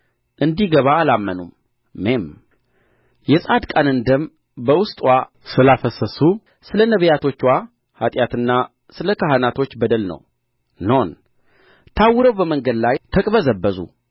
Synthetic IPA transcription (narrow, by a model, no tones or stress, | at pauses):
ʔɨnd̪iɡəβaːlamːənumː | em | jɛsʼad̪kʼanɨnd̪əm | bəwʊst̪ʼwa | sɨlafəsəsu | sɨlənəβəjat̪ʰo̞t͡ʃːwa | hat̪ʼjat̪ɨnːa | sɨləkʰaɦanat̪ʰo̞t͡ʃːbəd̪əlnə̰w | non | t̪ʰawːɨɾəwbəməŋɡəd̪lajt̪ʰəkʼβəzəbːəzṵ